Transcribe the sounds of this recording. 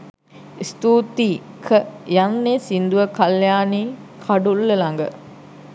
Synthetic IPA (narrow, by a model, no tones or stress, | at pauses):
ist̪uːt̪iː | kʰəjanːesind̪uʋəkaljaːniː | kʰaɖulːəlaŋɡə̰